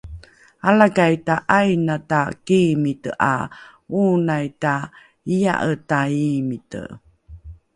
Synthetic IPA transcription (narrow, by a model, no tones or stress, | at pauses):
alaɡajtaʔajnatakimitə̰ʔa̰unajta | ija̰ʔətaimitə̰